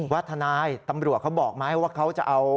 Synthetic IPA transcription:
waː˦˥˩t̪ʰːa˧naː˧jt̪a˧mɾu˨˩ət̪̚kʰa˦˥wbɔː˨˩k̚ma˦˥ha˨˩jwaː˥˩kʰa˦˥wt͡ɕa˨˩ʔa˧w

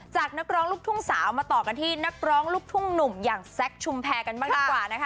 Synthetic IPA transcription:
t͡ɕaː˨˩k̚na˦˥k̚ɾɔː˦˥ŋluː˥˩t̪ʰu˥˩əŋsaː˩˦wmaː˧t̪ɔː˨˩ka˧nt̪ʰiː˥˩na˦˥k̚ɾɔː˦˥ŋluː˥˩k̚t̪ʰu˥˩əŋnu˨˩mjaː˨˩ŋsɛ˦˥k̚t͡ɕʰu˧mpʰɛː˧ka˧nbaː˥˩dʰi˧˩kwaː˨˩na˦˥kʰ

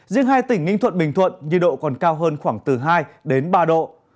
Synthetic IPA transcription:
zḭ˧˥əŋɦaː˧jt̪ï˧˩ŋ̟ŋï˧ŋ̟t̪ʰwə̰˧˨nɓï˨˩ŋ̟t̪ʰwə̰˧˨nɲi˧˩ɗo̰˧˨kɔ˨˩nkaː˧wɦəː˧nxwaː˧˩ŋt̪ɨ˨˩ɦaː˧jɗe˨˦nɓaː˧ɗo̰˧˨

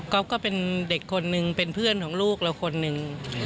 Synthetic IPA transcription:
kɔ˦˥p̚kɔː˥˩pe˧nde˨˩kʰːo˧nːɯ˧ŋpe˧npʰɯ˥˩ənkʰɔː˩˦ŋluː˥˩k̚lɛ˦˥˩wkʰo˧nːɯ˧ŋ

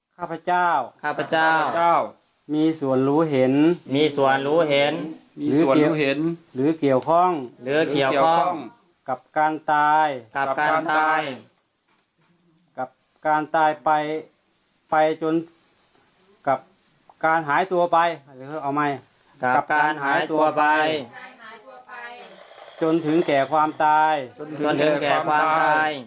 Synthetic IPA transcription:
kʰaː˧˨pʰa˧t͡ɕaː˥˩wkʰaː˧˩pʰa˧t͡ɕa˥˧˩w | miː˧su˨˩ənɾuː˨˦˥ɦe˨˦nmiː˧˥su˨˩ənɾuː˨˦˥ɦe˨˧˦n˧lɯː˨˦˨nlɯː˨˦ki˨˩əwkʰɔː˧˥˩ŋlɯː˨˦i˨˩əwɔː˥˧˥ŋ | ka˧˩p̚kaː˧nt̪aː˧jka˧˩kaː˧n˧t̪aaː˧j | ka˧˩p̚ | kaː˧nt̪aː˧˩jpa˧j | pa˧jt͡ɕo˧n | ka˧˩p̚ | kaː˧nɦaː˨˦jt̪u˧ɐpa˧jʰa˧˩a˧˩kʰːʔa˧˩wma˧˩j | a˧˩ka˧˩p̚kaː˧nhaː˨˦˨jjt̪ːpa˧j | t͡ɕo˧nt̪ʰɯ˨˦ŋkɛː˨˩kʰwaː˧mt̪aː˧jnʰɯ˨˧˦kɛː˨˩˧kʰwaː˧maaː˧j

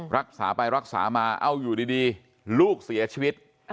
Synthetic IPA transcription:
ɾa˦˥k̚sa̰ː˩˦pa˧jɾa˦˥k̚sa̰ː˩˦maː˧ʔa˧˩wjuː˨˩diː˧diː˧ | luː˥˩k̚si˩˦ɐt͡ɕʰiː˧wi˦˥t̪̚

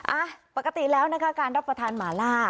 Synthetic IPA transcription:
ʔaː˧˩pa˨˩ka˧t̪i˨˩lɛː˦˥wna˦˥kʰa˦˥kaː˧nɾa˦˥p̚ːɾa˧t̪ʰaː˧nmaː˩˦laː˥˩

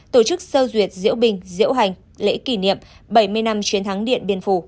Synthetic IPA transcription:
t̪o˧˩t͡ɕɨ˦˥k̚sə˧zwi˨˩ət̚zɨ̰˧˥əwɓï˨˩ŋ̟zɨ̰˧˥əwɦa˨˩jŋ̟ | lḛ˧˥ki˧˩nḭ˧˨əmɓə˧˩jmɨ˧əjna˧mt͡ɕwi˨˦ənt̪ʰa˨˦ŋɗḭ˧˨ənɓi˧ənfu˧˩

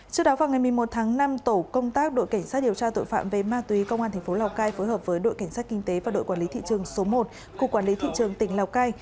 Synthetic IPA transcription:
t͡ɕɨ˦˥ək̚ɗɔ˨˦vaː˨˩wŋa˨˩jmɨ˨˩jmo˨˩t̚t̪ʰaː˨˦ŋna˧mt̪o˧˩kə˧wŋ͡mt̪aː˦˥k̚ɗo̰˧˨jka˧˩jŋ̟saː˦˥t̚ɗi˨˩əwt͡ɕaː˧t̪o̰˧˨jfa̰ː˧˨mve˨˩maː˧t̪wi˨˦kə˧wŋ͡mʔaː˧nt̪ʰɛ˨˩ŋ̟fo˨˦laː˨˩wkaː˧jfo˨˦jhəː˨˩p̚vəː˨˦jɗo̰˧˨jka˧˩ŋ̟saː˦˥t̚kï˧ŋt̪e˨˦vaː˨˩ɗo̰˧˨jkwaː˧˩nli˨˦t̪ʰḭ˧˨t͡ɕɨ˨˩əŋso˨˦mo˨˩t̚ | ku˧˩kːwaː˧˩nli˨˦t̪ʰḭ˧˨t͡ɕɨ˨˩əŋt̪ï˧˩ŋ̟laː˨˩wkaː˧j

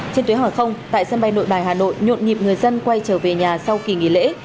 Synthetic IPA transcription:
t͡ɕe˧nt̪u˨˦˧waː˨˩xə˧wŋ͡mt̪a̰ː˧˨jsə˧nɓa˧jno̰˧˨jɓaː˨˩jɦaː˨˩no̰˧˨jɲo̰˧˨nɲḭ˨p̚ŋɨ˨˩əjzə˧nkwa˧jt͡ɕəː˧˩ve˨˩ɲaː˨˩sa˧wki˨˩ŋḭ˧˨˩lḛ˧˥

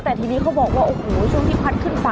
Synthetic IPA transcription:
t̪ɛː˨˩t̪ʰiː˧niː˥˩kʰa˨˥wbɔː˨˩k̚waː˥˩ʔoː˨˧˩hoː˨˩˦t͡ɕʰu˥˩əŋʰiː˥˩pʰa˦˥t̪̚kʰɯ˥˩npa˧

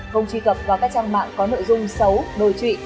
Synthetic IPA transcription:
xə˧wŋ͡mt͡ɕwi˧kə˨˩p̚vaː˨˩kaː˦˥k̚t͡ɕaː˧ŋma̰ː˧˨nkɔ˨˦no̰˧˨jzʊ˧ŋ͡msə˨˦wɗo˨˩jt͡ɕwḭ˧˨

